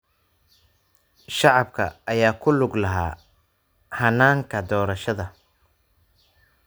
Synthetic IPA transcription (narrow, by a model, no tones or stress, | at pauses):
ʃɑʕɑbkʰɐ̰ʔːjaːkʰʊlʊɡlɐɦaː | hɐnːaːŋkʰɐd̪ɔːɾɐʃɐðɐ